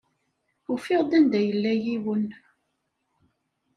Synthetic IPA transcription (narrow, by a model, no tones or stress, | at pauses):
ufɪʁd̪ænd̪æjəlːæjiwən